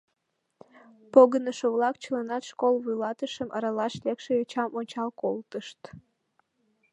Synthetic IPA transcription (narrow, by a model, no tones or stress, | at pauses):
poɣənəʃoβlɑk̚t͡ɕəlɑnɑt̪ʃkolβujlɑt̪əʃəmʔə̰ɾɑlɑʃlekʃeøt͡ɕɑmonʲt͡ɕɑlkolt̪əʃt̪